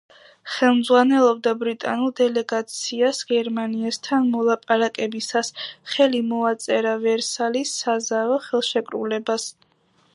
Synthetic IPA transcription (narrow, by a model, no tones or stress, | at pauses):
χɛlˠmd̪zʁwanɛlˠɔb̚d̪abɾit̪ʼanulˠd̪ɛlɛɡat̪sʰiasɡ̥ɛɾmaniast̪ʰanmɔlˠapʼaɾakʼɛbisasχɛlimɔat̪sʼɛɾavɛɾsalisːazavɔχɛlˠʃɛkʼɾulɛbas